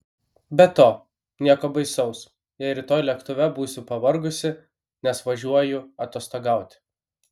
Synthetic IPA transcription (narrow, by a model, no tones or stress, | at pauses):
bʲɛt̪oː | nʲiɛkoːbɐɪsɒʊs | jɛɪɾʲɪt̪oːjlʲɛkt̪ʊʋʲɛbuːsʲɪpɐʋɐɾɡʊsʲɪ | nʲɛsʋɐʒʲuɔjʊɐt̪oːst̪oɡɑˑʊt̪ʲ